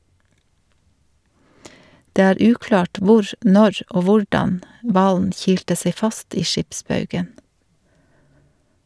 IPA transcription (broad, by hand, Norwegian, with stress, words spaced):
ˈdeː ˈæːɾ ˈʉːklɑːʈ ˈʋʊɾ ˈnɔɾ ˈoː ˈʋʊɹdɑn ˈʋɑːln ˈçiːltə ˈseɪ ˈfɑst ˈiː ˈʃɪpˌsbɑʉɡən